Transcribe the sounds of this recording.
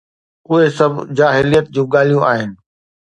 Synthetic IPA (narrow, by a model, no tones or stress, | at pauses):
ʊɦesɐbʱd͡ʑaːɦɪlijət̪̚d͡ʑũːɠaːl̤ijũʔaːɦɪnɪ̆